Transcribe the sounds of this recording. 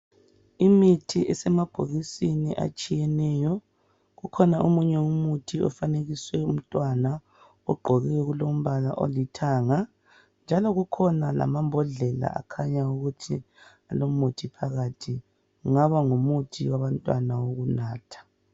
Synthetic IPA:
imitʰiʔɛsɛmab̥ʱoɣisinḭʔa̰t͡ʃʼijɛnɛjɔ | ɣukʰɔnaʔomuɲɛumutʰiɔ̰faneɣiswɛum̩tʼwana | ɔɡ͡ǃʱɔɣɛɣulom̩βala̰ʔo̰litʰaːŋa | nd͡ʒʱalɔɣukʰɔnala̰mambʱɔɮɛla̰ʔa̰kʰaɲauɣutʰi | alomutʰipʰaɣatʰi | ŋaβaŋomutʰiwaβantʼwanaoɣunaːtʰḁ

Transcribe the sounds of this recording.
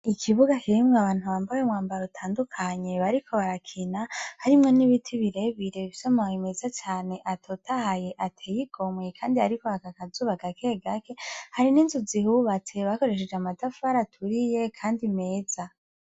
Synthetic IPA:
ikʰiβuɡakiɾimŋaβaːn̥uβaːmbojemwaːmbaɾutʰaːndukʰaɲe̞βaɾikʰo̞βaɾakʰinahaɾimŋo̞niβitʰiβiɾe̞βiɾe̞̥omawime̞zat͡ʃaːne̞ʔatʰotʰahaje̞ʔatʰejiɡ̥o̞mŋe̞kʰaːndihaɾikoakakazuβaɡakʰeɡake̞haɾiniːnzuzihuβat͡se̞βako̞ɾe̞ʃ̬ed͡ʒeamadafaɾatʰuɾijekʰaːndime̞ːz̥a

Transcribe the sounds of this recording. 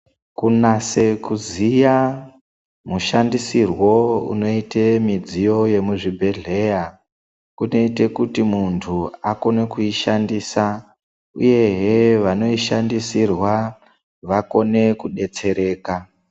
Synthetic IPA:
kunase̞kuzija | muʃandisirwo̞ṵno̞ite̞mid͡zijo̞je̞muʐibʱe̞ɮe̞ja | kuno̞ite̞kutimuntʰuako̞ne̞kuiʃandiːsa | uje̞ɦeʋano̞iʃandisirwa | ʋako̞ne̞kuɗe̞t͡se̞ɾe̞ːka

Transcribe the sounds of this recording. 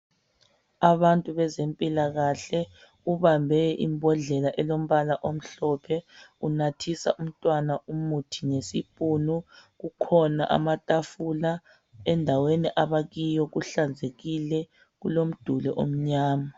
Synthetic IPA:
aβantʼuβɛzempʼilaɣaɬɛ | uβambʱɛʔḭmbʱɔɮɛlaʔɛlom̩βalaʔom̩ɬɔpʰɛunatʰisa̰ʔum̩tʼwanaʔumutʰiŋesipʼunuɣukʰɔna̰ʔa̰matʼafula | ɛndʱaweniʔaβaɣijɔɣuɬand͡zʱeɣilɛ | ɣulom̩d̥ʱulɛʔo̰m̩ɲaːma

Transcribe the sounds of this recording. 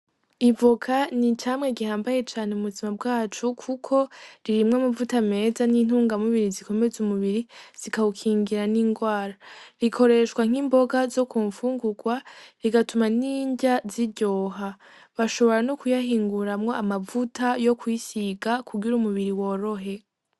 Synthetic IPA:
ivokʰanit͡ʃaːmŋe̞ɡihaːmbaje̞t͡ʃaːneuβuzimabɡaːt͡ʃukʰukʰo̞ɾiɾimŋamavutame̞ːzaniːn̥huːŋɡamuβiɾiziko̞me̞zumuβiɾiz̥ikaukʰiːŋɡiɾaniːŋɡwaːɾaɾikʰo̞ɾe̞ʃkwaŋ̥iːmbo̞ɡazo̞kuːɱfuːŋɡuɡwaɾiɡatumaniːɲɟaziɾɟoːɦa | βaʃo̞βo̞ɾano̞kujaɦiːŋɡuɾamŋo̞amavutʰajo̞kwisiɡakʰuɡiɾumuβiɾiwo̞ːɾo̞ɦe̞

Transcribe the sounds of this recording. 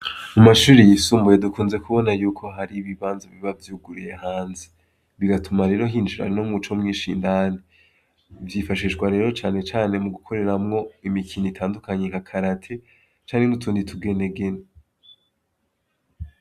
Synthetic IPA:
mumaʃuːɾijisuːmbujedukuːnzekuβo̞najuːkʰo̞ɦaɾiβiβaːnzaβiβavjuːɡuɾijehaːnze̥ | βiɡatʰumaɾe̞ːɾo̞ɦiːnd͡ʒuɾa̰ninomut͡ʃomŋiːʃindane | vjiːfaʃiʃɡwaɾe̞ːɾo̞t͡ʃaːne̞t͡ʃaːne̞muɡukʰo̞ɾe̞ɾamŋo̞imikʰinitʰaːndukaɲe̞ŋkakʰaɾatʰe̞ | t͡ʃaːne̞nutuːnditʰuɡe̞ne̞ɡene

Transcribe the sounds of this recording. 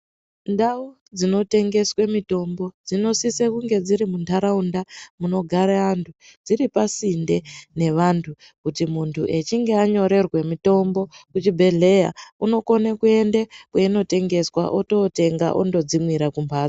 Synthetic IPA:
ndau | d͡zino̞te̞ŋɡe̞swemito̞mbo̞d͡zino̞sisekuŋɡe̞d͡ziɾimuntʰaɾaundamuno̞ɡʱaɾaantʰud͡ziɾipasinde̞ne̞ʋantʰu | kutimuntʰṵʔet͡ʃiŋɡe̞aɲo̞ɾe̞rwe̞mito̞mbo̞kut͡ʃibʱe̞ɮe̞ja̰uno̞ko̞nekue̞ndekweino̞te̞ŋɡe̞swa̰ʔoto̞te̞ŋɡa̰ʔo̰ndo̞d͡zimwiɾakumbʱaːd͡za

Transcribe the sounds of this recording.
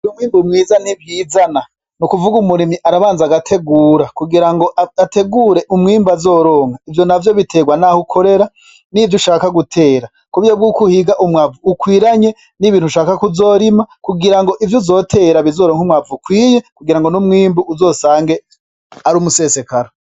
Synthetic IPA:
numŋiːmbumŋiːzanib̚ɡiːzana | nukuvuɡumuɾimiʔaɾaβaːnzaɡatʰe̞ɡuːɾakuɡiɾaŋɡo̞ʔaate̞ɡuːɾe̞ʔumŋiːmbuazo̞ːɾo̞ːŋhaivjo̞navjoβitʰe̞ːɡwanahukʰo̞ɾe̞ɾa | nivjuʃaːkaɡutʰe̞ːɾa | kuβjob̚ɡuːkuhiɡaʔumŋaːvuːkwiːɾaɲe̞ | niβiːn̥thuʃaːkakuzo̞ːɾimakuɡiɾaŋɡo̞ʔivjuzo̞ːtʰe̞ːɾaβizoːɾoŋhumŋaːvukwiːjekuɡiɾaŋɡo̞numŋiːmbuːzo̞ːsaːŋɡe̞ | aɾumuse̞se̞kaɾo

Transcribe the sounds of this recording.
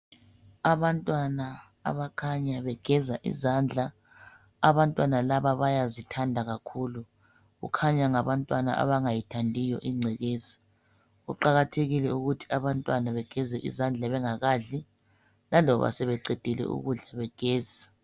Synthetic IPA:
aβantʼwana | a̰βakʰaɲaβɛɡ̥ʱɛzaʔḭzand͡ɮʱaː | βantʼwanalaβaβajazitʰandʱaɣakʰulu | ɣṵkʰaɲaŋaβantʼwana̰ʔa̰βaŋajitʰandʱijɔʔiŋ͡ǀʱɛɣeːzi̥ | ɣuǃaɣatʰeɣilɛuɣutʰi̥aβantʼwanaβɛɡ̥ʱɛzɛʔḭzand͡ɮʱaβɛŋaɣaːɮi | lalɔβa̰sɛβɛǃed̥ʱilɛ̰ʔṵɣuɮaβɛɡ̥ʱɛːza

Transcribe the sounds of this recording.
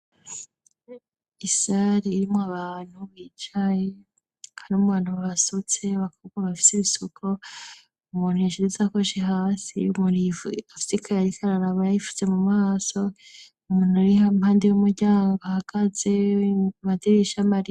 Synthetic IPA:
isaɾiːɾimaβaːn̥huβit͡ʃaje | hanumuβaːn̥huβaβasut͡se̞βakʰoɡwaβafi̥siβisukʰo | umuːn̥hueʃiɾizakoʃeɦaːsḭumuɾivuafi̥sikʰajaɾikʰaɾaɾaβajaifu̥t͡se̞mumaːso̞ | umuːn̥uɾiamhaːndewumuɾɟaːŋɡo̞haɡ̥aze̞madiɾiʃamaɾi

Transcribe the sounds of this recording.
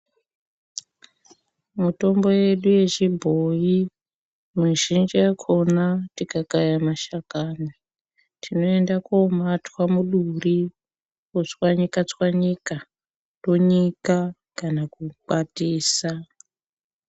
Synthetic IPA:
muto̞mbo̞je̞ɗuje̞t͡ʃibʱoji | miʒind͡ʒiakʰo̞natikakajamaʃakaːni | tʰino̞e̞ndakomatwamuɗuri | ut͡swaɲikat͡swaɲika | to̞ɲika | kanakuk͡patiːsa

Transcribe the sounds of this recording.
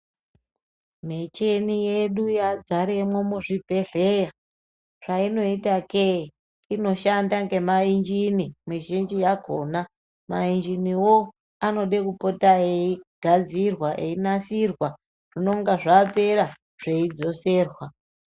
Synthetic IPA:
me̞t͡ʃe̞nije̞ɗujad͡zaɾemwomuʐibʱe̞ɮeja | ʐ̥aino̞itake | ino̞ʃandaŋɡe̞maind͡ʒinimeʃend͡ʒijaɡʱoːna | maind͡ʒiniwo̞ | ano̞ɗe̞kupo̞taeiɡ̥ʱad͡zirwaʔeinasirwa | ʐ̥ino̞ŋɡaʐape̞ɾa | ʐ̥eid͡zo̞se̞ːrwa

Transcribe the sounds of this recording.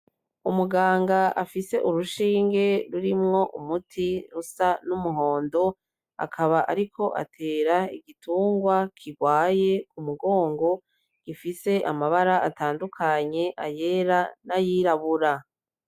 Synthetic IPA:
umuɡaːŋɡaafise̞ʔuɾuʃiːŋɡe̞ɾuɾimŋo̞ʔumutʰiɾusanumuɦo̞ːndo̞ | a̰kʰaβaʔa̰ɾikʰo̞ʔa̰tʰe̞ːɾaiɡituːŋɡwakʰiɡwaːje̞kumuɡo̞ːŋɡo̞ | ɡ̥ifise̞ʔamaβaɾaʔataːndukʰaɲe̞ʔaje̞ːɾanajiɾaβuɾa

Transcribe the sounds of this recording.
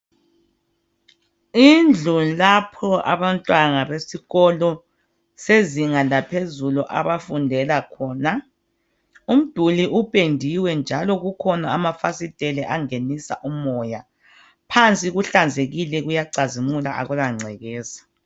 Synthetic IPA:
ind͡ɮʱulapʰɔʔa̰βantʼwanŋaβesiɣɔlɔ | seziŋalapʰezuluʔa̰βafundʱɛlakʰɔːna | um̩d̥ʱuliʔupʼendʱiwɛnd͡ʒʱalɔɣukʰɔnaːmafasitʼɛlɛʔaŋenisa̰ʔumɔja | pʰant͡sʼiɣuɬand͡zʱeɣilɛɣujaǀazimula̰ʔa̰ɣulaŋ͡ǀʱɛɣɛːzḁ

